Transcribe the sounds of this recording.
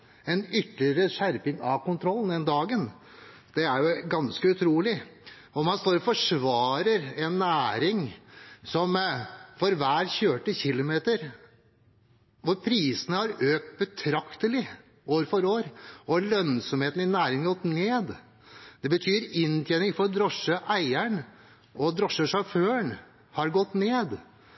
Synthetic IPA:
ɛnʏt̪lɪəɾəʂæɾpɪŋɑʋkʊnt̪ʰɾɔlːənd̪ɛnd̪ɑːɡən | d̪̥ɛæɾjʊɡɑnskəʉt̪ʰɾuːlɪ | ɔmɑnst̪oːɾɔfɔʂʋɑːɾəɾɛnːæːɾɪŋsɔmfɔɾʋæːɾçøːʈəçɪlʊmeːt̪əɾ | ɔɾpʰɾiːsənəhɑɾøːk̚t̪̚bət̪ʰɾɑkt̪əlɪ | oːɾfɔɾoːɾʔɔlœnsɔmheːt̪n̩ɪnæːɾɪŋɡɔt̪ːneːd̪ | d̪̥ɛbət̪ʰyːɾɪnːt̪ʰjeːnɪŋfɔɾɔd̪ɾɔʂːəʔæɪæɳ | ɔd̪ɾɔʂːəʂɑføːəɳ | hɑɾɡɔt̪ːneːd̪

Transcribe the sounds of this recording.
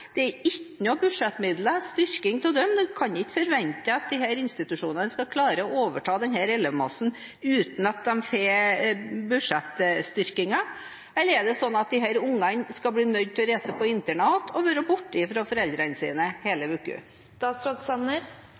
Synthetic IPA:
d̪̥ɛæɾɪkːənʊbʉʂɛt̪ːmɪd̪ləst̪ʏɾkɪŋt̪ʰɪld̪ɛmd̪ɛkʰɑnd̪ɛɪkːfɔɾʋɛnt̪əɑt̪̚d̪ɪhæːɾɪnst̪ɪt̪ʉʂuːnənəskɑkʰlɑːɾəɔoːʋəʈʰɑːd̪ɛnhæːɾɛlːəʋmɑsn̩ | ʉːt̪n̩ɑt̪̚d̪ɛmfe | bʉʂɛt̪ːst̪ʏɾkɪŋɑ | ɛlːəɾɛɖɛsɔnːɑt̪̚d̪ɪɦæːɾʊŋːɑnskɑlbliːnœd̪̚t̪ʰɪlɔɾæɪsəpʰɔɪnt̪əɳɑːt̪ʰɔʋøːɾəbʊʈːəɪfɾɑfɔɾɛld̪ɾənsḭːnəheːləʋʉːkʉ̰st̪ɑːsɾɑd̪sɛnəɾ

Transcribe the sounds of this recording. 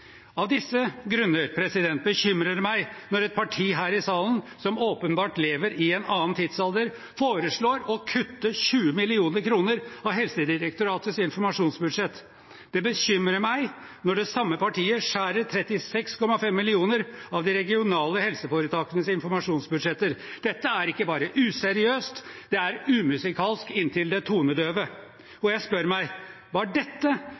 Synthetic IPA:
ɑʋd̪ɪsːəɡɾʉnːəɾpʰɾɛsɪd̪ɛnt̪̚bəɕʏmɾəmæɪnɔɾɛt̪̚pʰɑʈʰiːɦæːɾɪsɑːlənsɔmoːpənbɑːʈleːʋəɾɪɛnʔɑːnt̪ʰid̪sɑld̪əɾ | foːɾəʂɭoːɾɔkʰʉt̪ːəɕʉːəmɪlɪuːnəɾkʰɾuːnəɾɑʋɦɛlsəd̪ɪɾək̚t̪ʊɾɑːt̪əsɪnfɔɾmɑʂuːnsbʉd̪ʂɛt̪ː | d̪̥ɛbəɕʏmɾəmæɪ | nɔɖɛsɑmːəpɑʈʰiːəʂæːɾəɾt̪ʰɾɛt̪ɪsɛkskʰɔmːɑfɛmːɪlɪuːnəɾɑʋd̪ɪɾɛɡɪʊnɑːləhɛlsəfoːɾət̪ʰɑːkənəsɪnfɔɾmɑʂuːnsbʉd̪ʂɛt̪ːəɾd̪̥ɛt̪ːəæɾɪkːəbɑːɾəʔʉːsɛɾɪøːst̪d̪̥ɛæɾʉːmʉsɪkʰɑːlskɪnt̪ʰɪld̪ɛt̪ʰuːnəd̪øːʋə | ɔjæɪspœɾmæɪ | ʋɑɖɛt̪ːə

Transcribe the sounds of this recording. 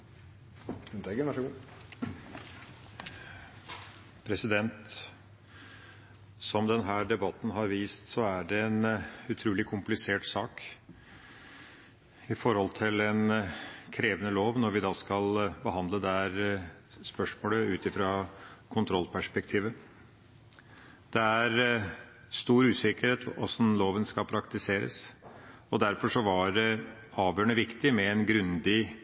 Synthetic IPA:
ʉt̪eɡənʋɑʂəɡu | pʰɾɛsɪd̪ɛnt̪ | sɔmd̪ɛnɦæːɖɛbɑt̪n̩ɦɑɾʋiːst̪sɔæɖɛɛnʉt̪ʰɾʉːlɪkʰʊmplɪseːʈsɑːk | ɪfɔɾhɔlt̪ʰɪlɛnkʰɾeːʋənəloːʋnɔɾʋɪd̪ɑːskɑlbəɦɑnd̪ləd̪æɾ | spœʂmoːləʉːt̪ɪfɾɑkʰʊnt̪ʰɾɔlːpʰæʂpɛk̚t̪ʰiːʋə | d̪̥ɛæɾ | st̪uːɾʉːsɪkəɾheːt̪ɔsnloːʋənskɑpʰɾɑkt̪ɪseːɾə̰s | ɔd̪æɾfɔʂɔʋɑɖɛ | ɑːʋjøːɳəʋɪkt̪ɪmɛɛnɡɾʉnd̪ɪ

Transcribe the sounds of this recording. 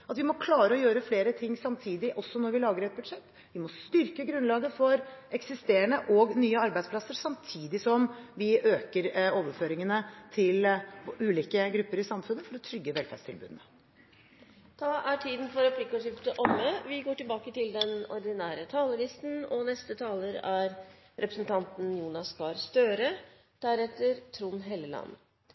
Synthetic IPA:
ɑt̪ʋɪmɔkʰlɑːɾəɔjøːɾəfleːɾət̪ʰɪŋːsɑmt̪ʰiːd̪ɪʔɔsːɔnɔɾʋɪlɑːɡəɾɛt̪̚bʉd̪ʂɛt̪ː | ʋɪmɔst̪ʏɾkəɡɾʉnlɑːɡəfɔɾɛksɪst̪eːəɳəʔɔɡnyːəɑɾbæɪspʰlɑsːəɾsɑmt̪ʰiːd̪ɪsɔmʋɪʔøːkəɾoːʋəføːɾɪŋənət̪ʰɪlʉːliːkəɡɾʉpːəɾɪsɑmfʉnːəfɔɾɔt̪ʰɾʏɡːəʋɛlfæ̰ːst̪ʰɪlbʉ̰ːd̪ənə | t̪ʰɑːæʈʰiːd̪n̩fɔɾɛpʰlɪkːəʈɪːʋt̪əʔɔmːəʋɪɡoːʈɪlbɑːkət̪ɪld̪ɛnɔɾd̪ɪnæːɾət̪ʰɑːləlɪst̪n̩ɔnɛst̪ət̪ʰɑːləɾæɾ | ɾɛpɾəsənt̪ʰɑnt̪n̩juːnɑskɑːɾst̪øːɾə | d̪̥æɾɛt̪ːəɾt̪ʰɾuːnɦeːlːəlɑ̰nːə

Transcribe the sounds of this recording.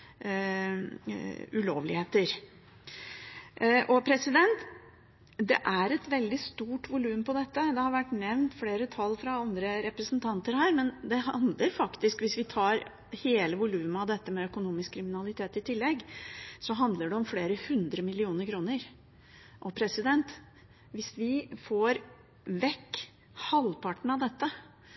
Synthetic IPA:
ʉloːʋlɪheːt̪əɾ | ʔɔpʰɾɛsɪd̪ɛnt̪ | d̪ɛ̰ʔæɾɛt̪ʋɛld̪ɪst̪uːʈʋʊlʉːmpɔd̪ɛt̪ːəd̪ɛhɑɾʋæʈːnɛʋnt̪fleːɾət̪ʰɑlːfɾɑɑnd̪ɾəɾɛpɾəsnt̪ʰɑnt̪əɾhæːɾmɛnd̪ɛɦɑnd̪ləɾfɑkt̪ɪskʋɪsʋɪt̪ʰɑːɾ | heːləʋʊlʉːməɑʋd̪ɛt̪ːəmɛœkʊnuːmɪskʰːɾɪmɪnɑlɪt̪ʰeːt̪ɪt̪ʰɪlːɛɡːsɔɦɑnd̪ləɖɛɔmfleːɾəhʉnd̪ɾəmɪlɪuːnəɾkʰɾuːnəɾ | ʔɔpʰɾɛsɪd̪ɛnt̪ | ʋɪsʋɪfoːɾ | ʋɛkː | hɑlpʰɑʈɳ̩ɑʋd̪ɛt̪ːə

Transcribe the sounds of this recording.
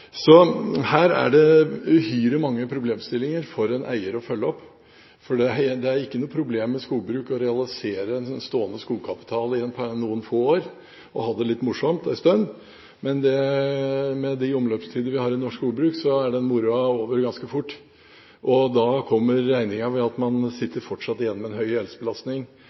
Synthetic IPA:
sɔhæːɾæ̰ɖɛʉhyːɾɪmɑŋːəpʰɾʊbleːmst̪ɪlːɪŋəɾfɔɾɛnʔæ̰ɪəɾɔfœlːəɔpː | fɔɖɛɦd̪ɛæɾɪkːənuːpʰɾʊbleːmːɛskuːlbɾʉːkɔɾɛɑlɪseːɾəɛnsɔnst̪oːənəskuːlkʰɑpɪ̥t̪ʰɑːlɪnpʰɑnuːənfoːoːɾ | ɔhɑd̪ɛlɪt̪ːmʊʂɔmt̪ɛst̪œnː | mɛnd̪ɛ | mɛd̪ɪʊmløːpst̪ʰiːd̪əʋɪhɑːɾɪnɔʂkuːlbɾʉːksɔæɖɛnmʊɾʉɑoːʋəɾɡɑnskəfʊʈː | ʔɔd̪ɑkʰɔmːəɾːæɪnɪŋɑʋɛɑt̪mɑnsɪt̪ːəɾfɔʈʂɑt̪ːɪjɛnːɔmɛnɦœʏɛlsəbəlɑst̪nɪŋ

